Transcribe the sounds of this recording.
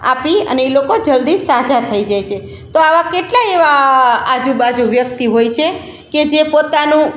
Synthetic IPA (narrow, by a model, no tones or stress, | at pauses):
a̰piə̰neelokod͡ʒəld̪isad͡ʒat̪ʰəid͡ʒajt͡ʃʰe | t̪oaʋakeʈlaeʋaːd͡ʒubad͡ʒuʋjək̚t̪iɦojt͡ʃʰe | ked͡ʒepot̪anũ